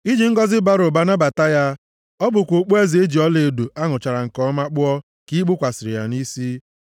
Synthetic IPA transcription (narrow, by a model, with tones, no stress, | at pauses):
i˦d͡ʒi˨ŋ̩˦ɡɔ˦zɪ˦ba˦ɾʊ˨ba˨na˦ba˨ta˦ja˦ | ɔ˦bʊ˨kʷo˨k͡po˦e˦zi˨e˦d͡ʒi˨ɔ˦le˨du˨a˦ŋʊ˨t͡ʃa˨ɾa˨ŋ̩˨kɔ˦ma˦k͡pʊ˦ɔ˦ | ki˦k͡pʊ˦kʷa˨sɪ˨ɾɪ̰˨ja̰˨ni˦si˦